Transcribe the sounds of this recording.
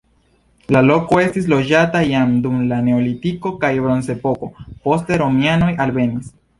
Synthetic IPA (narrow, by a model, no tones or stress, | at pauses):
lalo̞ko̞e̞stis̬lo̞d͡ʒatajamdumlane̞olitiko̞kajbɾo̞nse̞po̞ko̞po̞ste̞ɾo̞miano̞jalbe̞nis